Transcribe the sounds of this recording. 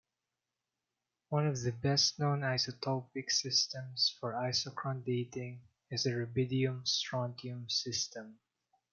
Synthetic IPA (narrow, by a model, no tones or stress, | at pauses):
wʌ̃nɔvðəbɛstnõʊnajsɔt̪ʰɔpɪksɪst̪ɛ̃msfɔɹaɪsɔkɹɔ̃nd̪eɪt̪ɪ̃ŋ | ɪsəɹɛbɪd̪iʊ̃mstɹɔ̃nt̪iʊ̃msɪst̪ɛ̃m